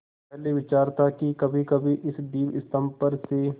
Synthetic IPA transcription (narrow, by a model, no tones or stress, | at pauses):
ɦleʋɪt͡ʃaːɾt̪akikɐbʱikɐbʱiʔɪsd̪iːnɪst̪əmpəɾse